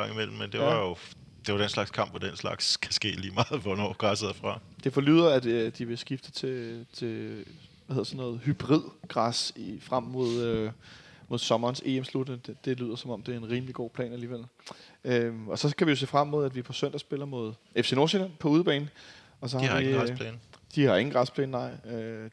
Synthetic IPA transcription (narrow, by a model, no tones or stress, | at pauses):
ɑ̈ŋimel̰m̩mend̥eʋɑjo̝ | d̥eʋɑ̈d̥enslɑ̈ɡ̥skʰɑ̈m̰b̥ʋɒd̥enslɑ̈ɡ̥skʰæsɡ̥e̝̰ːliːmɑ̈ːð̩ˠʋɒnɒ̰ːɡ̥ʁɑsæð̰ˠfʁɑ̈d̥e̝fɒ̽ly̰ːðˠɐæd̥d̥iʋe̝sɡ̥ifd̥ət͡sʰe̝t͡sʰe̝ | ʋæhe̝ð̰ˠɐsɒnːɔ̽ːð̩ˠhyb̥ʁið̰ˠɡ̥ʁɑsifʁam̰mo̝ð̞ˠømo̝ð̞ˠsɒ̽mɐːnse̝̰ːemslud̥nə̥d̥e̝lyð̞̰ˠɐsɒ̽mɒ̽md̥e̝æɐe̝nʁiːmliɡ̥o̝̰ːpʰlɛ̰ːnæliːʋeløɒ̽sɒ̽kʰæʋijo̝se̝̰ːfʁammo̝ð̞̰ˠæd̥ʋipʰɒ̽søn̰d̥ɐsb̥e̝lɐmo̝ð̞ˠefse̝no̝ɐsinɐpʰɒ̽uːð̞ˠb̥ɛ̰ːnn̩ | ɒ̽s̬ɒ̽hɑ̈iŋʰlɛnd̥ihɑ̈e̝ŋ̩ɡ̥ʁɑspʰlɛ̰ːnnɑ̈ɪ̰ø